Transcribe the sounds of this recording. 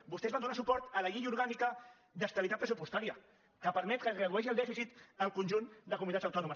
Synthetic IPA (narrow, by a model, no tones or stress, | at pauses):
bust̪ɛzβand̪unasupɔɾt̪ələʎiʎuɾɣanikə | d̪əst̪əβit̪at̪̚pɾəsupust̪aɾiə | kəpəɾmɛt̪kəzɣɾəðuɛʃ̬iəlˠd̪ɛfisit̪əlˠkunʲʒund̪əkumuit̪at͡ssəwt̪ɔnumə